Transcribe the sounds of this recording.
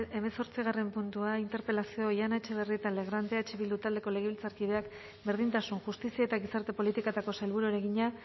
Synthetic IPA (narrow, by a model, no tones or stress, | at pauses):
e̞meso̞ɾt͡siɣ̞are̞mpunt̪uaint̪e̞ɾpe̞lasio̞janat͡ʃe̞β̞e̞riet̪ale̞ɣɾant̪e̞at͡ʃeβild̪ut̪ald̪e̞ko̞le̞ɣ̞e̞βilt͡saɾkið̞e̞ak | be̞ɾð̞int̪asunʝust̪isiaet̪aɣisaɾt̪e̞po̞lit̪ikat̪ako̞salβuɾueɾe̞ɣiɲa